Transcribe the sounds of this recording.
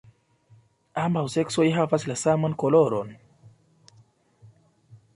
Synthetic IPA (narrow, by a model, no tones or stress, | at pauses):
ambausɛksoiɦavasilasamankolɔɾon